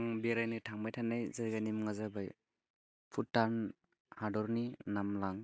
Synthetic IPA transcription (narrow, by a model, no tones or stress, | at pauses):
ŋbeɾajnitʰaŋmajtʰanːajzajɡanimŋazabaj | pʰutːan | hadɔɾninamlaŋ